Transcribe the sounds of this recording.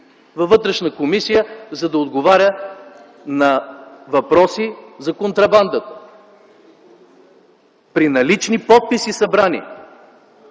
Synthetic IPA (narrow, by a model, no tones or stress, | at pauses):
vɐvɤt̪ɾɛʃnəkomisijəzɐd̪ɐod̪ɡovaɾʲə | nɐvɐpɾɔsizɐkont̪ɾɐband̪ət̪ə̥ | pɾinɐlit͡ʃnipɔt̪̚pisisɐbɾanḭɛ